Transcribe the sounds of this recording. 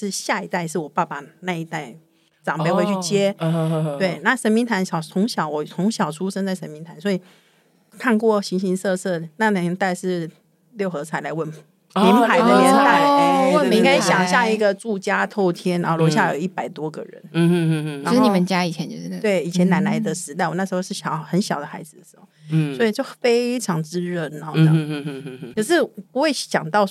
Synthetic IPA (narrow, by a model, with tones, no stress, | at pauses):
ʂɻ̩˥˧ɕja˥˩i˧˥t̪a˥˧ɪʂɻ̩˥˩wɔ˨˩pa˥˩pa˧na˥˧i˧˥t̪a˥˩ɪ | ʈ͡ʂɑ˨˩ŋpe˥˧ɪxwe˥˧ɪy˥t͡ɕjɛ˥t̪we˥˩ɪna˥˩ʂə˧˥nmi˧˥nt̪ʰa˧˥nɕjɑ˨˩ʊt͡sʰʊ˧˥ŋɕjɑ˨˥ʊwɔ˧˩t͡sʰʊ˧˥ŋɕjɑ˨˩ʊʈ͡ʂʰu˥ʂə˥nt͡sa˥˩ɪə˧˥nmi˧˥nt̪ʰa˧˥nswɔ˧˥i˨˩ | kʰa˥˧nkwɔ˥˩ɕi˧˥nɕi˧˥nsɤ˥˧sɤ˥˩na˥˧˩na˧˩˧t̪a˥˧ɪʂɻ̩˥˧ | ljo˥˩ʊxɤ˧˥t͡sʰa˨˩ɪla˧˥ɪwə˥˩n | i˧˥npʰa˧˥ɪdə˧jɛ˧˥na˥˧˩ɪ˧˥ŋka˥ɪɕjɑ˨˩ŋɕja˥˧i˧˥ɡə˨ʈ͡ʂu˥˩t͡ɕja˥t̪ʰo˥˩ʊt̪ʰjɛ˥na˧˨˧lwɔ˧˥ɕja˥˩jo˨˩ʊi˥˩pa˨˩ɪt̪wɔ˥ɡə̰˨ɻə̰˧˦n˥ | ʂ̩˥˩ni˨˩mə˨˦nt͡ɕja˥i˨˩t͡ɕʰjɛ˧˦nt͡ɕo˧t̪we˥˩ɪi˨˩t͡ɕʰjɛ˧˥na˧˥nla˧˥ɪd̪ə˨ʂɻ̩˧˥t̪a˥˧ɪwɔ˨˩na˥˩ʂɻ̩˧˥xo˧ʂɻ̩˥˩ɕɑ˨˩ʊxə˧˦nɕjɑ˨ʊd̪ə˦xa˧˥ɪd͡zɹ̩˨˩ə˩ʂxo˥˩swɔ˧˥i˨˩t͡ɕjo˥˩ʊfe˥ɪʈ͡ʂʰɑ˧˥ŋʈ͡ʂɻ̩˥ɻə˥˩n˧˨˦ɑ˥˧ | kʰə˨˩ʂɻ̩˥˩pu˧˦we˥˩ɪɕjɑ˨˩ŋt̪ɑ˥˩ʊ